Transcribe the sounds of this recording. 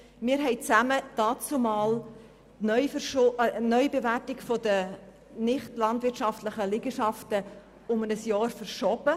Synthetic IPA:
mɪːɾɦɛɪt͡sæməd̥ɑːt͡sumɑːl | nœʏfʃonœʏbevætɪɡfodə | nɪχtlɑndvɪtʃɑftləχəlɪɡ̥əʃɑftə | ʊmənəsjɑːɾfəɾʃɔb̥ə

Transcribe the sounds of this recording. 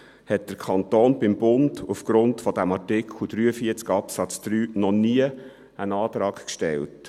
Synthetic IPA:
hɛt̚d̥əɾkʰɑnt̪oːnbɪmbʊndufɡ̥ɾʊntfɔd̪æmɑɹtɪkχʰlud̥̪ɾyːəfiəɾt͡skɑpsɑt͡sd̪̥ɾyːnɔniə | ənɑːt̪ɾɑːkkʃtɛ̰lt

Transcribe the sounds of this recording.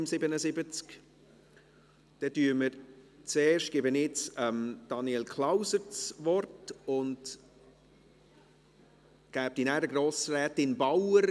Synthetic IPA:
msɪbənəsɪbət͡sk | d̥ɛtyːəməɾt͡seːɾʃtɡ̥ɪbənɪt͡sɛmd̥ɑniɛlkʰlaʊsəɾt͡svɔrtʊnd | ɡ̥æːp̚tinæɾəɡɾoːsrɛːtɪnbawəɾ

